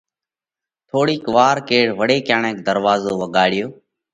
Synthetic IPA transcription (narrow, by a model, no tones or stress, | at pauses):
t̪ʰoːɽiːkʋaːɾkeːɽʋəɽeːkjaːɳẽːkd̪əɾʋaːzoːʋəɠaːɽɪjoː